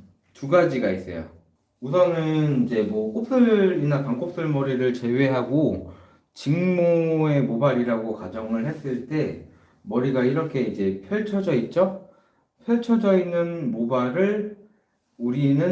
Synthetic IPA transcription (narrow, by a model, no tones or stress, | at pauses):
tuɡad͡ʑiɡais͈ʌ̰jo̰ | us̬ʰʌnɯnid͡ʑe̞mwʌk͈op̚s͈ɯɾinapaŋk͈ʰop̚s͈ɯɭmʌɾiɾɯɭt͡ɕe̞we̞ɦaɡo | t͡ɕiŋmoe̞mobaɾiɾaɡokad͡ʑʌŋɯɭɦe̞s͈ɯɭt͈e̞ | mʌɾiɡaiɾʌkʰe̞id͡ʑe̞pʰjʌɭt͡ɕʰʌd͡ʑʌit̚t͡ɕ͈o | pʰjʌɭt͡ɕʰʌd͡ʑʌinːɯnmobaɾɯɭ | uɾinɯ